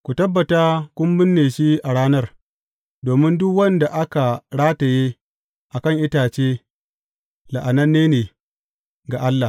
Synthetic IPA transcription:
kʷu˨tɐ˦bːɐ˨taː˦kʷʊ˦mbɪ˦nːeː˨ʃi˦ʔa˨ɽaː˦nɐ˦r | doː˨mɪ˦ndʊ˦kwɐ˦nda˨ʔa˦ka˨ɽaː˦ta˨jeː˦ | ʔa˨kɐ˦˨ŋʔɪ˦taː˨t͡ʃeː˦ | la˨ʔa˨nɐ˦nːeː˦neː˨ | ɡa˨ʔa˦lːa˨h

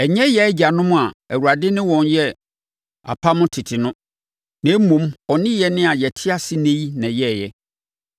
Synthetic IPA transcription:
ɛ˨ɲɛ̃˦jɛ˨æ˦d͡ʑa˨nʊ̃˦mʊ̃˦a˨æ˨wu˨a˨dɪ˦nɪ̃˦wɔ̃˨njɛ˦ | a̰˨pʰa˦mʊ̃˦tʰɪ˨tʰɪ˨nʊ̃˦ | nɛ̃˨˦mũ˨mɔ˨nɪ̃˦jɛ˨nɪ̃˦a˨jɛ˨tʰɪ˦a˦sɪ˦nẽ˦i˦nã˨jɛ˦˨jɛ˦

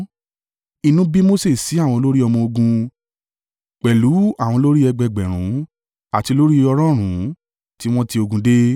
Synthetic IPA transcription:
i˧nũ˦bi˦mo˦se˦˨si˨˦a˦˨w̃ɔ̃˧lo˦ɾi˦ɔ˧mɔ̃˧o˧ɡũ˧ | k͡pɛ˨lu˨˦a˦˨w̃ɔ̃˧lo˦ɾi˦ɛ˧ɡ͡bɛ˨ɡ͡bɛ˨ɾ̃ũ˨˦ | a˨ti˧lo˦ɾi˦ɔ˧ɾ̃ɔ̃˦˨ɾ̃ũ˨˦ | ti˦w̃ɔ̃˦ti˧o˧ɡũ˧de˦

